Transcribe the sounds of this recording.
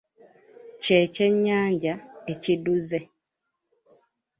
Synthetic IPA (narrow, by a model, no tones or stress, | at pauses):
ceceɲːaːɲɟaeciduze